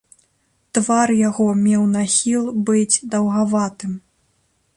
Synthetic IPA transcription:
t̪varjaɣɔmʲɛwnaxʲilˠbɨd͡zʲd̪ɐwɣavat̪ɨm

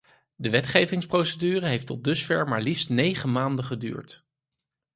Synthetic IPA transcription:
dəʋɛtχejvɪŋsprowsədyːrəɦejftɔdɵsfɛɹmaːɹlifstnejχəmaːndəχədy̰ːɹt

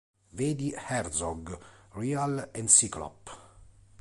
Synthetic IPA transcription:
veːd̪ihɛrzɔɡrialɛnsiklɔ̰pː

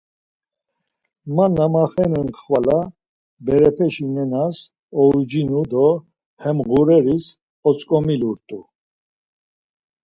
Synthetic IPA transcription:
manːamaχɛnɛnkχvala | bɛɾɛpʰɛʃinɛnas | ɔɾd͡ʒinud̪ɔ | hɛmʁuɾɛɾis | ɔt͡sʼkʼɔmiluɾt̪ʼu

